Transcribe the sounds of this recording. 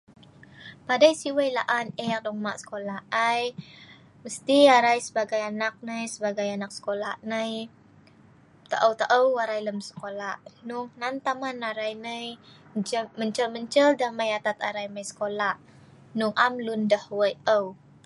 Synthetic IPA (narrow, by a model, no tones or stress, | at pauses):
padajsiwəjla̰ʔanɛrdɔŋmaʔsə̥kolaaj | məst̪iaɾajsəbaɡajanak̚nəjsəbaɡajanak̚sə̥kolaʔnəj | t̪ə̰ʔəwt̪aʔəwːaɾajləmsə̥kolaʔnuŋnant̪amanaɾajnəj | əd͡ʒəməɲt͡ʃəlməɲt͡ʃəldaməjat̪at̪aɾajməjsə̥kolaʔ | nuŋʔamlundəhwəjəw